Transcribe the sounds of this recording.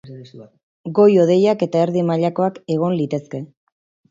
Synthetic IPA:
ɡo̞jo̞ð̞e̞jake̞t̪ae̞ɾðimaʎako̞ake̞ɣ̞o̞nlit̪e̞ske̞

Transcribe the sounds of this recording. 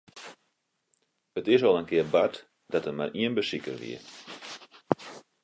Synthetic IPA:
ətɪsɔlˠənkɪəbat | d̥ɑtəma̰rʔiənbəsikə̰rʋḭə

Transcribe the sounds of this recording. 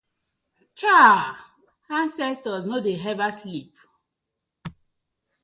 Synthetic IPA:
t͡ʃa | ãnsɛstɔznodeɦɛvaslip

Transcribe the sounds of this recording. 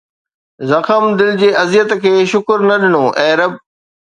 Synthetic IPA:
zɐxəmd̪ɪld͡ʑeːɐzjət̪kʰeːʃʊkɾnɐɗɪnoːʔɛ̃ːɾəb̚

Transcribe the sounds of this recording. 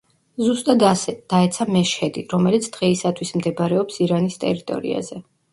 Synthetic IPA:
zust̪ʼad̪d̪̥aɛt̪sʰamɛʃɛd̪iɾɔmɛlit̪sʰd̪̥ʁɛisat̪ʰwismd̪ɛbɾɛɔpsiɾanist̪ʼɛ̰ɾit̪ʼɔ̰ɾḭa̰zɛ

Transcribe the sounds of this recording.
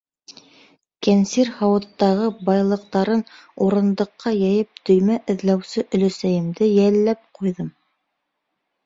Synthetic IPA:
kænsiɾhɑwɤ̆t̪ːɑʁɤbɑjlˠɤ̆q̚t̪ɑɾɤnuɾɤ̆nd̪ɤ̆qːɑjæjɘp̚t̪ɵ̆jmæʔɘ̆ðlæwsɘʔɵ̆lɵ̆sæjɘ̆md̪ɘjælːæp̚qujðɤm

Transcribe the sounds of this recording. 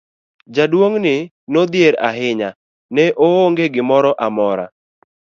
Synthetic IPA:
d͡ʒadwoŋnɪ | nod̪jeɾa̰ɦɪɲa | nɛʔooŋɡeɡɪmɔɾɔʔamɔɾa̰

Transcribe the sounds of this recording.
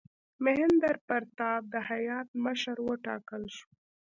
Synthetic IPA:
mɪɦɪnd̪aɾpəɾt̪ɑb̚d̪əhajɑt̪̚məʃəɾwəʈɑ̰kəlʃu̥

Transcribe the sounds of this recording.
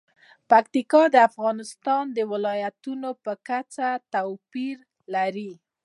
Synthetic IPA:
pakt̪ikɑd̪əafɣɑnɪst̪ɑnd̪əwɪlɑjat̪unopəkat͡sat̪awpiɾ | laɾi

